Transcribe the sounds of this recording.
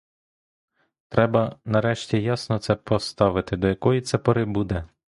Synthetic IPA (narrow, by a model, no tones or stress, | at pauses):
t̪ɾɛbɐnɐɾɛʃtʲijasnɔt̪sɛpɔst̪ɑʋɪt̪ɪd̪ɔjɐkɔjit̪sɛpɔɾɪbud̪ɛ